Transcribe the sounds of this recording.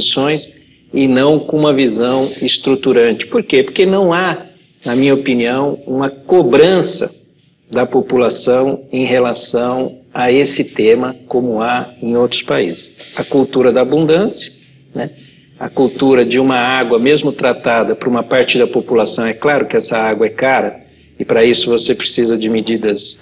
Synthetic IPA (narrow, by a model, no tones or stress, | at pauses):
sõj̃s | ɪnɐ̃w̃kõũmɐvizɐ̃w̃ɪst̪ɾut̪uɾɐ̃nt͡ʃɪ̥poɾkepoɾkenɐ̃w̃a | nɐmĩɲɐopiniɐ̃w̃ũmɐkobɾɐ̃sɐ̰ | d̪ɐpopulasɐ̃w̃ẽj̃ɦelasɐ̃w̃aesɪt̪ẽmɐkõmʊaẽj̃owt̪ɾʊ̥spaḭzɪsɐkuwt̪uɾɐd̪ɐaːbũnd̪ɐ̃sjɐ̥ | nɛ | ɐ̰kuwt̪uɾɐd͡ʒɪũmɐaɡwɐmezmʊt̪ɾat̪ad̪ɐpʊɾũmɐpaɾt͡ʃɪd̪ɐpopulasɐ̃w̃ɛklaɾʊkɪɛsɐaɡwɐɛkaɾɐ | ɪpɾɐisʊvosepɾesizɐd͡ʒɪmed͡ʒid̪ɐs